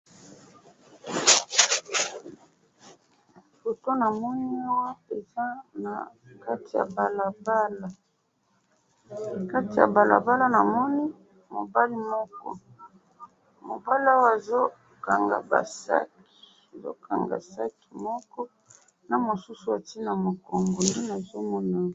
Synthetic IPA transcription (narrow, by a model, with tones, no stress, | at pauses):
fo˨to˦na˨mɔ˦ni˦a˦wa˦e˨za˦na̰˨ka˦ti˨ja̰˨ba˨la˨ba˦la˨ | ka˦ti˨ja̰˨ba˨la̰˨ba˦la˦na˨mɔ˦ni˦ | mo˨ba˦li˦mɔ˦kɔ̰˦ | mo̰˨ba˦li˦a˦wa˦˨e˨zo˦ | ka˨ŋɡa̰˨ba̰˨sa̰˦k | i̥˨e˨zo̰˦ka˨ŋɡa̰˨sa˦ki̥˨mɔ˦kɔ˦ | na˨mo˨su˦su˨a˨ti˦na˨mo˨kɔ˨ŋɡo˨nde˦na˨zo˦mɔ˦na˨